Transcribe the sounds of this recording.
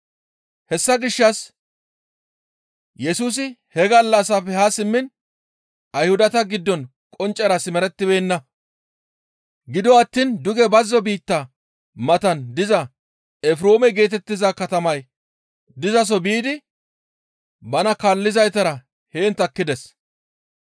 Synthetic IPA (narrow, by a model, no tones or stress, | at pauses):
hɛsːɐɡɪʃːɐs | jɛsuːs̬ɪhɛɡɐlːɐsɐpɛhasɪmːɪn | ɐjhʊd̪ɐt̪ɐɡɪd̪ːɔn | kʼɔnt͡ʃʼːɐɾɐsɪmɛɾɛt̪ːɪbe̞ːnːɐ | ɡɪd̪ɔɐt̪ːiːnd̪ʊɡɛbɐzːɔbiːt̪ːɐ | mɐt̪ɐnd̪ɪzɐ | ɛfɾo̞ːmɛɡe̞ːt̪ɛt̪ːɪzɐkɐt̪ɐmɐj | d̪ɪzɐs̬ɔbiːd̪ɪ | bɐnɐkalːɪzɐjt̪ɐɾɐ | heːnt̪ɐkːɪd̪ɛs